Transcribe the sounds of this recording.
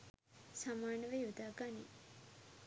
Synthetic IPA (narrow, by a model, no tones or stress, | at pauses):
samaːnəʋejud̪aːɡani